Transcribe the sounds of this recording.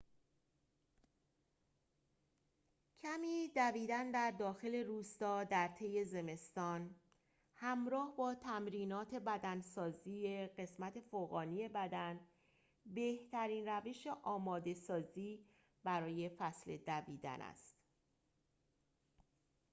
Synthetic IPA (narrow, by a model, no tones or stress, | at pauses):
cʰæmiːd̪æviːd̪ænd̪æɾd̪ɒːxe̞le̞ɾuːst̪ɒːd̪æɾt̪ʰe̞je̞ze̞me̞st̪ɒːn | hæmɾɒːhbɒːt̪ʰæmɾiːnɒːt̪ʰe̞bæd̪ænsɒːziːeɢe̞smæt̪ʰe̞foɣɒːnije̞bæd̪æn | be̞ht̪ʰæɾiːnræve̞ʃe̞ʔɒːmɒːd̪e̞sɒːziː | b̥æɾɒːje̞fæsle̞d̪æviːd̪æ̰nʔæ̰st̪